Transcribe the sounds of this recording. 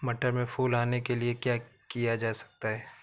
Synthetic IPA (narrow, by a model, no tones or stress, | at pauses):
mɐʈəɾmẽfuːlaːnekeliekjaːkijad͡ʒaːsɐ̥k̚t̪aɦɛː